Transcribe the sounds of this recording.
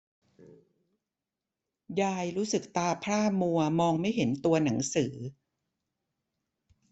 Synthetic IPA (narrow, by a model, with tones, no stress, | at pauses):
jaː˧jɾuː˦˥sɯ˨˩k̚t̪aː˧pʰɾaː˥˩mu˧ɐmɔː˧ŋma˥˩jɦe˩˦nt̪u˧ɐna˩˦ŋsɯː˩˦